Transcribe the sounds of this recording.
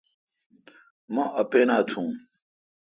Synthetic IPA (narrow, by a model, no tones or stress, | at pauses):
mãʔɐpeːnaːt̪ʰũː